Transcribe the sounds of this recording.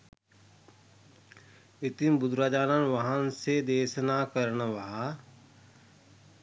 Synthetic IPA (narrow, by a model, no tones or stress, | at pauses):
ɪt̪imbʊd̪ɾaːd͡ʒaːnanʋaɦənsed̪eːsnakəɾnʋaɦa